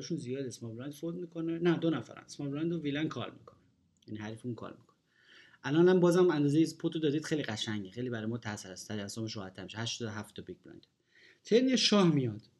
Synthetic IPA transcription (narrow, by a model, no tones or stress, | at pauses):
ʃunzijɒːd̪esmɒɾbɾænd̪fɾod̪miːkʰonenæd̪onæfæ̰ɾæ̰nsmɒːɾbɾænd̪oviːlænkʰɒ̰lmḭkʰone | jæniɦæɾiːfunkʰɒ̰ːlmikʰone | ʔælɒnlæmbɒːzæmænd̪ɒːzejispʰot̪ʰod̪ɒːd̪iːd̪̥xejliɢæʃæŋɟexejlibæɾɒːjemɒːt̪ʰæsɾæst̪ʰːææsɒːmeʃɾɔːhæt̪ʰːæɾmiʃehæʃt̪ɔd̪ɦæft̪ʰːɒbiɡ̚bɾæ̰nd̪ | t̪ʰeɾneʃɒːhmijɒd̪̥